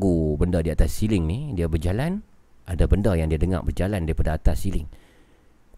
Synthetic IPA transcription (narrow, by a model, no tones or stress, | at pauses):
ɡubəndədiat̪asːilɪŋnidiabərd͡ʒalan | ʔadabəndəjaŋdiadəŋa̰ʔbərd͡ʒalandiapadaat̪asːilɪŋ